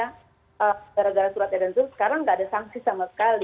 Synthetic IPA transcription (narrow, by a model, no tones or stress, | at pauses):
a | ʔəɡaɾaɡaɾasuɾat̪̚jadant̪ʊsə̥kaɾaŋːɡaːdasaŋsisamasə̥kali